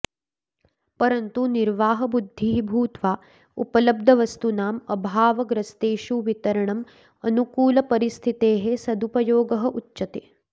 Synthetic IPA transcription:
pɐɾɐnt̪uniɾʋaːɦɐbud̪ʱːibʱuːt̪ʋaː | ṵpɐlɐb̚d̪ʱɐʋɐst̪unaːmɐbʱaːʋɐɡɾɐst̪eːʃuʋit̪ɐɾɐɳɐm | ɐnukuːlɐpɐɾist̪ʰit̪eːɦesɐd̪upɐjoːɡɐɦɐʔutːʃɐt̪eː

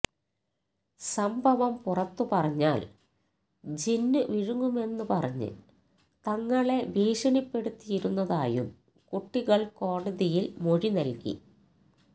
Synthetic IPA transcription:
sɐmbʱɐʋɐmpurɐt̪ːɨpɐrɐɲːaːl | d͡ʑinːɨʋiɻuŋɡume̞nːɨpɐrɐɲːɨ̰ | t̪ɐŋːɐɭe̞ʋiːʂɐɳipːe̞ɽut̪ːijiɾunːɐðaːjṵm | kuʈːiɣɐɭko̞ːɽɐðijilmo̞ɻinɐlkḭ

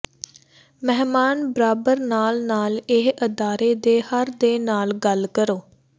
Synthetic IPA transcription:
mɛɦmaːnbəɾaːbəɾnaːlnaːlɪɦəd̪aːɾeːd̪eːhəɾd̪eːnaːlɡəlkəɾoː

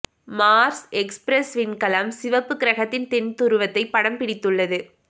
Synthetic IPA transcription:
maːɾsɛkspɾɛsʋɪnkɐlɐmsɪʋɐpːɯkːɪɾɐɣɐt̪ːɪnt̪ɛnt̪ʊɾɯʋɐt̪ːɐɪpːɐɽɐmpɪɽɪt̪ːɯɭːɐðɯ

